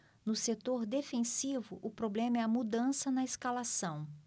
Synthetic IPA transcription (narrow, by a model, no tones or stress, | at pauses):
nʊset̪oɾd̪efẽsivʊʔʊpɾoblẽmɐɛɐmud̪ɐ̃sɐnɐeskalasɐ̃w̃